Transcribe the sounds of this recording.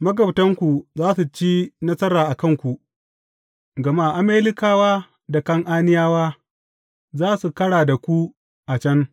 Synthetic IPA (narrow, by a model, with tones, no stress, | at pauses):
mɐ˦ɡɐ˨btɐ˦ŋkʷu˨zaː˦su˨t͡ʃiː˦nɐ˦sɐ˦ɾaː˨ʔa˨kɐ˦ŋkʷu˨ | ɡɐ˨ma˦˨ʔa˨meː˦lɪ˦kaː˨waː˦ | da˨kɐ˦ŋʔaː˦nɪ˦jaː˦waː˦ | zaː˦su˨kɐ˦ɽaː˨da˨kʷu˦ | ʔa˨t͡ʃɐ˦ŋ